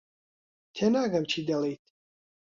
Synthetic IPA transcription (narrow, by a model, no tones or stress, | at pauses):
t̪ʰɛnaːɡamt͡ʃʰid̪alɛjt̪ʰ